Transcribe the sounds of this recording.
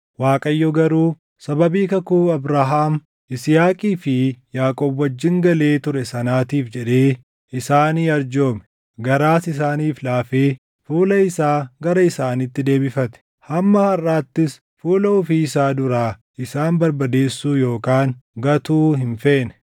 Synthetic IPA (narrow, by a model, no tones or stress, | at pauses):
waːkʼɐjːɔɡɐɾuː | sɐbɐbiːkɐkuːɐbɾaːɦaːm | ɪsjaːkʼiːfɪjaːkʼoːbwɐd͡ʒːɪŋɡɐle̞ːt̪ʊɾɛsɐnaːt̪iːfd͡ʒɛᶑeː | ɪsaːniːɐɾd͡ʒo̞ːmɛ̥ | ɡɐɾaːsɪs̬aːniːflaːfeː | fuːlɐɪsaːɡɐɾɐɪsaːnit̪ːɪd̪e̞ːbɪfɐt̪ɛ̥ | hɐmːɐhɐrːaːt̪ːɪs | fuːlɐʊfiːɪsaːd̪ʊɾaː | ɪsaːmbɐɾbɐd̪e̞ːsːuːjo̞ːkaːŋɡɐt̪uːɦɪnfe̞ːnɛ̥